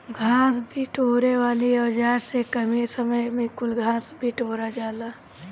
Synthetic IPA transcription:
ɡʱãːsbʱiʈoːɾewaːliəːd͡ʒaːɾsekəmiːɾsəməjmẽkʊlɡʱãːsbʱiʈoːɾad͡ʒaːlaː

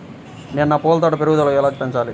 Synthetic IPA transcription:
nennaːpoːlt̪aːʈɐpeɾuɡut̪ɐlɐkɛlaːkipeɲt͡ʃaːli

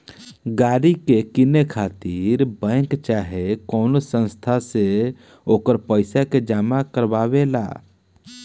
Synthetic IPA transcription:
ɡaːɾikekɪnekʰaːt̪iːɾbɛ̃ːkt͡ʃaːɦekɔːnosə̃nst̪ʰase | oːkəɾpəɪsaked͡ʒaːmakəɾbaːʋela̰ː

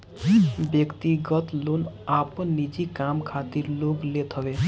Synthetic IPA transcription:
bjʌkt̪iɡʌt̪lon | apʌnːid͡zikamkʰat̪iɾloɡlet̪ʰʌwe

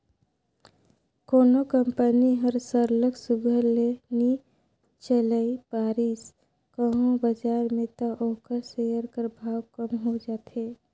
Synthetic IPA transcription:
koːnokəmpəniɦəɾsəɾləksuɡʱəɾleni | t͡ʃəlaipaːɾis | kəɦõbəd͡ʒaːɾmẽt̪əʔoːkəɾsejəɾkəɾbʱaːwkəmɦod͡ʒaːt̪ɦeː

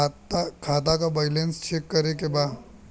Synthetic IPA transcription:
tkʰaːt̪akabaɪlẽnst͡ʃʰekːɐɾekebaːd̪

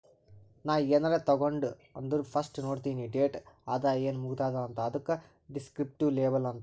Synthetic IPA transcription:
naːjenɐɾet̪ɐɣoɳɖɨɐnd̪uɾfɐsʈɨnoːɽt̪iniɖeːʈɐd̪ajenmuɡut̪aːd̪aɐnt̪ɐɐðukːɐ | ɖiskɾip̚ʈiʋleːbɐlɐnt̪

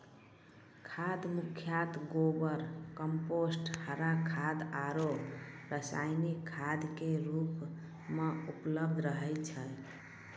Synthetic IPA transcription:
kʰad̪mukʰjat̪ɡobəɾkəmposʈhəɾakʰad̪aɾoɾəsajnikʰːad̪keɾup | meupləb̚d̪ʱɾəɦɛt͡ʃʰə

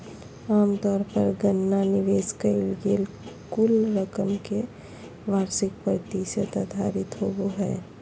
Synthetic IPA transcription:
aːmt̪ɔːɾpəɾɡənːanɪʋeːskəilɡeːl | kʊlɾəkəmke | ʋaːɾsɪkpɾət̪isət̪əd̪ʱaːɾɪt̪ɦoboɦɛ̰ː

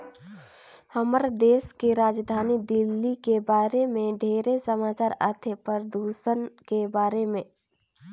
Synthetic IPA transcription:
həməɾd̪eːskeɾaːd͡ʒd̪ʱaːnid̪ɪlːikebaːɾemẽɖʱeːɾesəmaːt͡ʃaːɾaːt̪ʰepəɾd̪uːsənkebaːɾemẽ

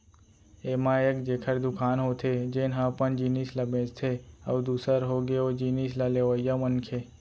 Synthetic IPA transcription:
emãekd͡ʒekʰəɾd̪ukʰanɦot̪ʰed͡ʒenɦãpəɳd͡ʒinisləbẽd͡ʒt̪ʰeə̰ud̪usəɾɦoɡeod͡ʒinislaleʋəjamənkʰe

